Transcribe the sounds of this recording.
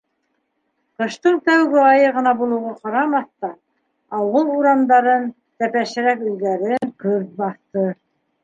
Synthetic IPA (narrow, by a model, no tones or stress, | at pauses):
qɤ̆ʃt̪ɤɴt̪æwɡɘɑjɤʁɤ̆nɑbulˠɤ̆wʁɑqɑɾɑmɑθt̪ɑː | wɤlˠuɾɑmd̪ɑɾɤn | t̪æpæʃɘ̆ɾækɵ̆jɡæɾɘŋkɵɾt̪̚bɑθt̪ɤ